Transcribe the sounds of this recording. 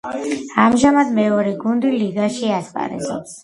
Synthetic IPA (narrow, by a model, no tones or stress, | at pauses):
amʒamad̪mɛɔɾɛɡund̪iliɡaʃiaspʼa̰ɾɛ̰lɛ̰ps